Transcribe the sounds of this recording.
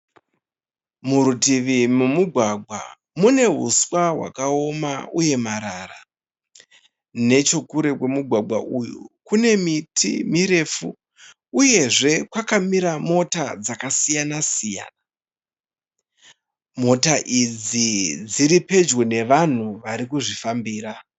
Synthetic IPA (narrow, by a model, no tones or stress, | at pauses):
muɾutiʋimumuɡʱwaɡʱwa̰ | mune̞ɦṵswaɦwa̰kao̞mauje̞maɾara | ne̞t͡ʃo̞kuɾe̞kwe̞muɡʱwaɡʱwa̰ʔujṵkune̞mitʰḭmiɾe̞fu | uje̞ʐe̞kwakamiɾamo̞tad͡zakasijanasija̰ːna | mo̞taʔid͡zid͡ziɾipe̞d͡ʒɡone̞ʋan̤uʋaɾikuʐifambiːɾa